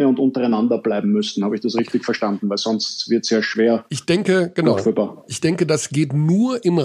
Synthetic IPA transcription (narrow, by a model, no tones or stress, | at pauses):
əʊntʊntɐʁaɪnandɐb̥laɪbm̩mʏstn̩haːbəɪçd̥asʁɪçtɪçfɛɐʃtandn̩væɪlz̥ɔnstvɪɐtsjeːɐʃv̥eːɐɪçd̥ɛŋkəɡ̥ənaʊfybaʔɪçd̥ɛŋkədasɡ̥eːtnuːɐʔɪmʁ